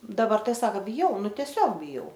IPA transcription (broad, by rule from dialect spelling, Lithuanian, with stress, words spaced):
dɐˈbɐr ˈtɐɪ ˈsɑːkɐ bʲɪˈjɛʊ ˈnʊ tʲiɛˈsʲoːk bʲɪˈjɛʊ